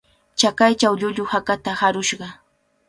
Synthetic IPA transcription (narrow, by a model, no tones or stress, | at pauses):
t͡ʃakajt͡ʃawʎʊʎʊhakat̪ahaɾʊʃɢɑ